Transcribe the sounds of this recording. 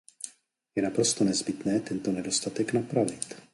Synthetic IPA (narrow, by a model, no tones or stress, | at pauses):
jɛnapɾo̞st̪o̞nɛzbɪt̪nɛːt̪ɛnt̪o̞nɛdo̞st̪at̪ɛknapɾavɪt̪